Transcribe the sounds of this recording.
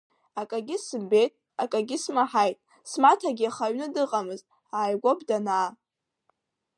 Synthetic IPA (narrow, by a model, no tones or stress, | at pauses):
akʼaɡʲɪsɨmbe̞jtʼ | akʼaɡʲɪsmaħajtʼ | smatʰaɡʲɪaχaɥnɨdɨqʼamɨztʼ | aːjɡʷobʼdanaː